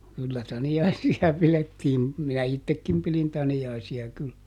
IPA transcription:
kylːæ tɑniɑisiɑ piletːiːm minæ itːekːim pilin tɑniɑisiɑ kyl

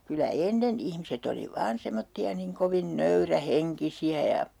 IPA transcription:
kylæ enːen ihmiset oli ʋɑːn semotːiɑ niŋ koʋin nøyræheŋkisiæ jɑ

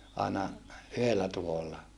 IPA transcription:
ɑinɑ yhelːæ tuholːɑ

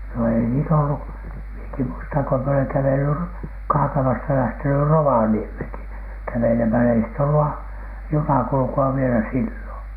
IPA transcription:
no ei niːt olːu mieki muistɑŋ ko mie oleŋ kæʋely ro kɑːkɑmɑstɑ læhteny roʋɑniemheˑŋki kæʋelemælæ ei sit olːu ɑ junɑkulŭkuɑ ʋielæ silːoˑn̥

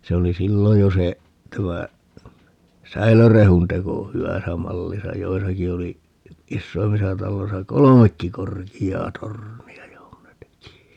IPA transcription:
se oli silːo jo se tæmæ sæilørehun teko hywæsæ mɑlːisɑ joisɑki oli isːoimːisɑ tɑlːoisɑ kolomekːi korkiɑː torniɑ johon ne teki

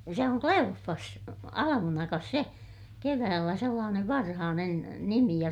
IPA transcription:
se oŋ kleofːɑs ɑlɑmunɑkɑs se keʋæːlːæ selːɑːneʋ ʋɑrhɑːnen nimi jɑ

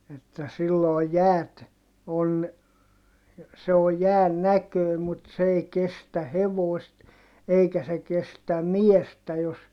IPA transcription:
etːæ silːoːj jæːt on se o jæːn nækøˑi̯ mut s ei kestæ heʋoˑist eikæ se kestæ miestæ jos

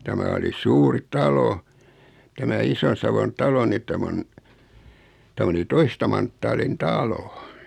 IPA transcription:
tæmæ oli suːri tɑlo tæmæ ison̞sɑʋon tɑlo ni tæm on tæm oli toistɑ mɑntːɑːlin tɑlo

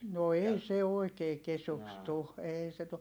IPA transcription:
no ei se oikeː kesuks tu eːi se tu

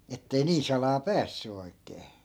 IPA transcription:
etːei niːn̞ sɑlɑː pæːsːy oi̯kˑeː

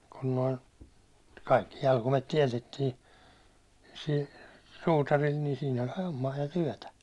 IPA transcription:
kun noin̞ kɑikːi jɑlkumet tiɛtetːiː sil suːtɑril ni siːn olʲ homːɑː jɑ tyæ̹tæ

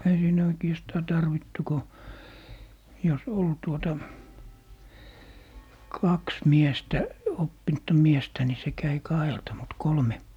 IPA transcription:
ei siːnæ oikiɛstɑː tɑrʋitːu ko jos ol tuotɑ kɑks miestæ opːinŭtːɑ miestæ ni se kæi kɑheltɑ mut kolme

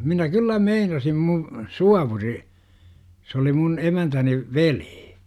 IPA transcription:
minæ kylːæ meinɑsim mu suɑʋuri s oli mun emæntæni ʋeli̥ː

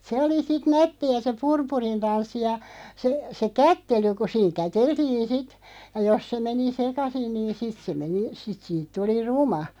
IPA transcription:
se oli sit nætːiæ se purpurin tɑnsːi jɑ se se kætːely ku siːŋ kæteltiːn̞ sit jɑ jos se meni sekɑsin niːn sit se meni sit siːt tuli rumɑ

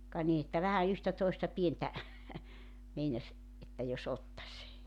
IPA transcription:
kɑ ni etːæ ʋæhæ yhtæ toistɑ pientæ meinɑsʲ etːæ jos otːɑsʲ

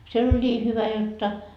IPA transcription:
siel olʲ nʲiː hyʋæ jotːɑ

